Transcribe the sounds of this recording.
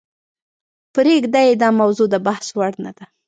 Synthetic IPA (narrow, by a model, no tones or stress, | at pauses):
pɾeɡd̪ajed̪ɑmawzod̪əbahswaɽnad̪a